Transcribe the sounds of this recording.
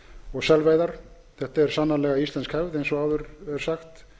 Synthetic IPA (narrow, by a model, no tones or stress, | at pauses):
ɔɣsɛlvejðaɾ̥ | θɛht̪aɛɾ̥sanːanlɛɣaist̪lɛnskhɛvðejnsɔaːwvʏɾɛɾ̥saxt̪